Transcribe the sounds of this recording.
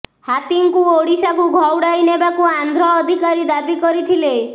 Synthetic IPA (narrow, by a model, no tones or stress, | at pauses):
hat̪iŋkuoɽisakuɡʱɔwɽajnebakuand̪ʱɾɔːd̪ʱikaɾid̪abikɔɾit̪ʰile